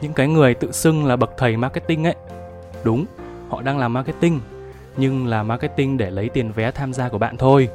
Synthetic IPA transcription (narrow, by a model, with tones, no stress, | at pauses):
ɲɨ̰˧˥ŋkaː˨˦jŋɨ˨˩əjt̪ɨ̰˧˨sɨ˧ŋlaː˨˩ɓə˨˩k̚t̪ʰə˨˩jmaː˧kaː˨˦˥t̪̚ï˧ŋʔə̰˧˥˦j | ɗʊ˨˦ŋ͡m | hɔ̰˧˨ɗaː˧ŋlaː˨˩mːaː˧ka˧˨˦t̪ï˧ŋ̟ | ɲɨ˧ŋlaː˨˩maː˧kɛ˦˥t̪ï˧ŋ̟ɗe˧˩lə˨˦jt̪i˨˩ənvɛ˨˦t̪ʰaː˧mzaː˧ku˧˩əɓa̰ː˧˨nt̪ʰo˧j